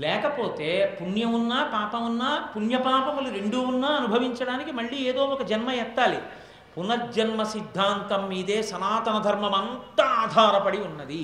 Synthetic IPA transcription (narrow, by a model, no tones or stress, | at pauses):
lɛːkɐpo̞ːt̪e̞ːpunjɐmunːaːpaːpɐmunːaːpunjɐpaːpɐmɐlːiɾeɳɖuunːaːɐnubʱɐʋiɲt͡ʃɐɽaːnikimɐɭːieːd̪o̞ːɔkɐd͡ʒɐnmɐjɛt̪ːaːlḭ | punɐd͡ʒɐnmɐsid̪ʱːaːnt̪ɐmːiːd̪eːsɐnaːt̪ɐnɐd̪ʱɐɾmɐmɐnt̪ɐaːd̪ʱaːɾɐpɐɽiunːɐd̪i